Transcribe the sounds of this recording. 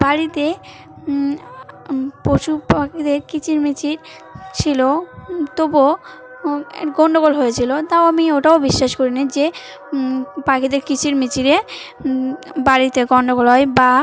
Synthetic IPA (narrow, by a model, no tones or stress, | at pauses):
baɾit̪e | poʃʰupakid̪eɾkit͡ɕʰiɾmit͡ɕʰiɾ | t͡ɕʰilot̪obo | ḛɡɔɳɖoɡolɦojet͡ɕʰilot̪aoamioʈaobiʃːaʃkoɾinid͡ʑe | pakid̪eɾkit͡ɕʰiɾmit͡ɕʰiɾe | baɾit̪eɡɔɳɖoɡolɦɔjba